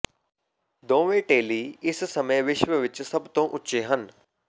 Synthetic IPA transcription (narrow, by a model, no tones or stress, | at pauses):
d̪õːʋeʈeːliːɪssɐməjʋɪʃʋəʋɪt͡ʃsɐbt̪õʔʊtːʃeɦən